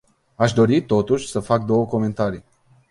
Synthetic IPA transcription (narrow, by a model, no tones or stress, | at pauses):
aʃ̬d̪o̞ɾit̪o̞t̪uʃʲsəfak̚d̪o̞wəko̞me̞nt̪aɾi